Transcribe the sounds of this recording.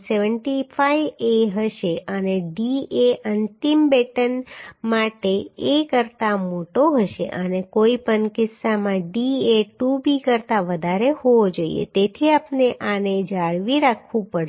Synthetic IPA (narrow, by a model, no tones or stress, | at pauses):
seʋəɳʈifʰaijeɦəʃeʔəneɖieʔənt̪imbeʈənmaʈeːkəɾt̪amoʈoɦəʃḛʔənekoipənkɪsːamãɖieʈubikəɾt̪aʋəd̪ʱaɾehoʋod͡ʒoḭjḛt̪et̪ʰiapneʔaned͡ʒaɭʋiɾakʰʋũpəɽ